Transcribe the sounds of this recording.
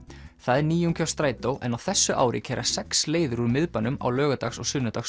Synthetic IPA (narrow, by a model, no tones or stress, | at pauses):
θaðɛɾniːjʏŋkʰawst̪ɾaːjt̪owʔɛ̰nawθɛsːʏʔa̰ːwɾɪ̰cʰɛːɾʔa̰̥sɛksleːjðʏɾuɾmɪðpanʏma̰wlœːɣat̪axsɔ̰ɣsʏnʏt̪axs